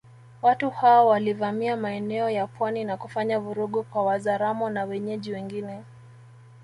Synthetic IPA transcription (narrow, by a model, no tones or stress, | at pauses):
watuhaɔwalivamiamaɛnɛɔjapwaninakufaɲavuɾuɠukwawazaɾamɔnawɛɲɛʄiwɛŋɡinɛ